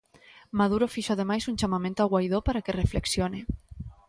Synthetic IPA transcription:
maðuɾofiʃoað̞emajsunt͡ʃamamẽnt̪oaɣwajð̞opaɾakerefleksjone

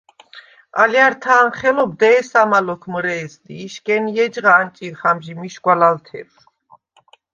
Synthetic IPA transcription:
a̰ljaɾt̪ʰaːnχɛlɔb̚d̪ɛːsamalɔkʰmɾɛːzd̪iːʃkʼɛnijɛd͡ʒʁaːnt͡ʃʼiχamʒimiʃɡwalalt̪ʰɛ̰ɾ

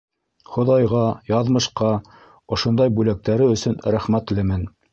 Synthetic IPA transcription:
χŏðɑjʁɑjɑðmɤ̆ʃqɑ | ŏʃŏnd̪ɑjbʉlæk̚t̪æɾɘɵ̆sɵnɾæχmæt̪lɘmɘn

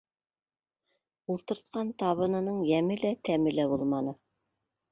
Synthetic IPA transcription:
ulˠt̪ɤ̆ɾt̪̚qɑnt̪ɑβɤ̆nɤ̆nɤɴjæmɘlæt̪æmɘlæbuðˠmɑnɤ

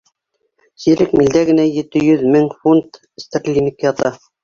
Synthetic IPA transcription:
siɾɘkmild̪æɡɘ̆næjɘ̆t̪ɘjɵðmɘŋfunt̪ | st̪aklʲinʲikjɑt̪ɑ

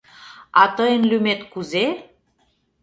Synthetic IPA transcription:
ɑt̪əjənlymet̪kuze

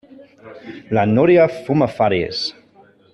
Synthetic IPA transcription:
lanoɾjafumafaɾjḛs

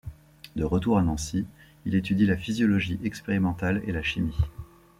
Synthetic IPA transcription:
d̪əʁət̪uʁanɑ̃si | ilet̪yd̪ilafizjɔlɔʒiʔɛkspeʁimɑ̃t̪alḛlaʃimi

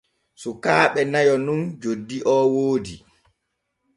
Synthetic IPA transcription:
sukaːɓɛnajɔnund͡ʒodːiʔɔwoːdi

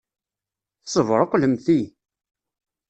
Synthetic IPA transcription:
θsˤəvɾˤəqʷːləmθi

